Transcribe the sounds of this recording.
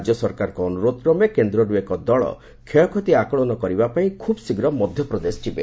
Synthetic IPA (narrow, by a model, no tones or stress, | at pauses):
d͡ʒjɔsɔɾkaɾɔkɔːnuɾod̪ɔkɾɔmekend̪ɾɔɖuekɔd̪ɔɭɔ̰ | kʰejɔkʰot̪iakɔɭɔnɔkɔɾibapaĩkʰubsiɡɾɔmɔd̪ʱjɔpɾɔd̪esʈʰibḛ